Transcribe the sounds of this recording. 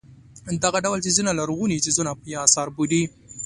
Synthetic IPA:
d̪aɣaɖawlt͡ʃezinalaɾɣunit͡ʃezunapjːsɑɾbud̪i

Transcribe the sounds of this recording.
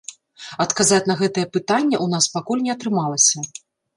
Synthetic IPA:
ɐt̪kazat͡sʲnɐɣɛt̪ɐjɛpɨt̪anʲːɐʔunaspakulʲnʲɛɐt̪ɾɨmalˠɐsʲɐ

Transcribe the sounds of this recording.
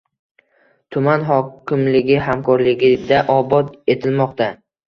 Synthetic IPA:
t̪ʰʊmanɦɒkʰʲɪmlɪɡʲɪhamkʰɒɾlɪɡʲɪd̪aʔɒbɒt̪e̞t̪ʰɪlmɒqt̪a

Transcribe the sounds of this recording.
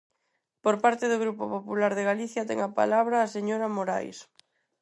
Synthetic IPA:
poɾpaɾt̪eðoɣɾupopopulaɾðeɣ̞aliθjat̪ɛ̰ŋapa̰laβ̞ɾaːseɲoɾamoɾa̰js

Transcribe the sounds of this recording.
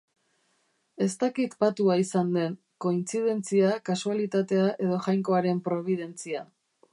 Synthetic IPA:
e̞st̪akit̪pat̪uaisand̪e̞n | ko̞int͡sið̞e̞nt͡siakasualit̪at̪e̞aʔe̞ðo̞ʝajŋko̞aɾe̞mpɾo̞β̞iðe̞nt͡sia

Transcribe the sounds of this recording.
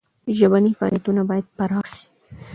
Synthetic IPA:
ʒabanifɑ̰ljat̪unabɑjad̪̚paɾɑxʃi̥

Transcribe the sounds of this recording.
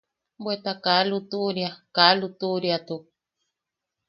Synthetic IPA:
mbwet̪akalut̪uɾjakalut̪uɾjat̪u

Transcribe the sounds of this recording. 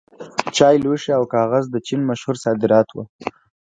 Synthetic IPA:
t͡ʃɑjlwəʃiawkɑɣazd̪ət͡ʃinmaʃhuɾsɑd̪ɪɾɑt̪wə̰

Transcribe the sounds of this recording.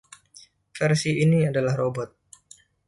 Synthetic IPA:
fɛrsiiniadalahrobɔt̪̚

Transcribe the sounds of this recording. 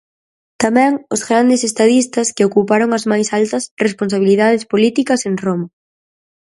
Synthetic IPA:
t̪amɛ̃ŋʊzɣɾand̪ɪsest̪aðist̪ɐskɪokupaɾoŋɐzmajsalt̪ɐsresponsaβ̞iliðað̞ɪspolit̪ikɐseŋromɐ

